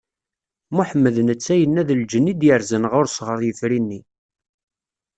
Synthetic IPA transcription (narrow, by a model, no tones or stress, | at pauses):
muħəmːəðnət͡sːæjənːæðəld͡ʒənːid̪jəɾzənʁʊɾsʁəɾˤjəfɾinːi